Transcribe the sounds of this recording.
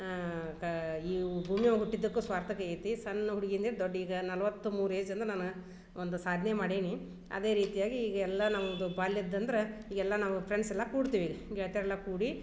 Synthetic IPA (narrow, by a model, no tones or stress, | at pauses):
iːbʱuːmijɐʋɦuʈːid̪ːɐkːuːsʋaːɾt̪ʰɐkɐeːt̪isɐnːɐɦuɽiɡind̪eːd̪oɖːiːɡɐnɐlɐʋɐt̪ːumuːɾeːd͡ʒɐnd̪ɾɐnaːn | ond̪usaːd̪ʱnemaːɽeːni | ɐ̰d̪e̞ːɾiːt̪ijaːɡiːɡɐɛlːɐnaːʋond̪ubaːljɐd̪ːɐnd̪ɐɾeiːɡɛlːɐnaːʋupʰɾeɳsɛlːɐkuːɽt̪iːʋiːɡɡɛɭt̪iːɾɛlːɐkuːɽi